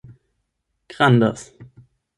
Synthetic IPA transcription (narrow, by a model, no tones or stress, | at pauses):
ɡ̥ʁand̪ə̰s